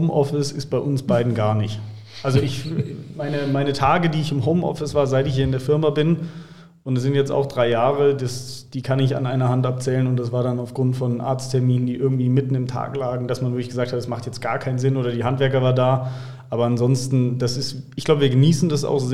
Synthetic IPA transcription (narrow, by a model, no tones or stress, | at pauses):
mʔɔfɪsɪst̚b̥aɪʔʊnsb̥aɪdn̩ɡaːɐnɪçt | ʔalzoɪçmaɪnəmaɪnətʰaːɡədiːɪçɪmɦoʊmʔɔ̰fɪsv̥aːɐzaɪtɪçhiːɐɪndeːɐfɪɐmabɪn | ʔʊntdas̬z̥ɪntjɛt͡sta̰ʊxd̥ʁaɪjaːʁ̞ədasd̥iːkʰanɪça̰nʔaɪnɐɦantʔap̚t͡sɛːlənʊntd̥asv̥aːɐdanaʊfɡ̥ʁʊntfɔnʔa̰ːɐt͡stʰɛɐmiːnəndiːʔɪɐɡŋ̩tv̥iːmɪtn̩ɪmtʰa̰ːklaːɡŋ̩d̥asmanvɪɐklɪçɡəzaːk̚tʰhatəɛsmaχtjɛt͡stɡ̥a̰ːɐkʰaɪnzɪnoːɾɐdiːɦantv̥ɛɐkɐvaːɐdaː | ʔaːbɐanzɔnstn̩d̥asɪstɪçɡlaʊbəviːɐɡəniːsn̩dasa̰ʊxz̥